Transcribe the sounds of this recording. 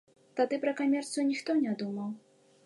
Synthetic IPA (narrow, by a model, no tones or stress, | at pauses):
t̪ad̪ɨpɾɐkamʲɛrt̪sɨjunʲixt̪ɔnʲad̪umɐw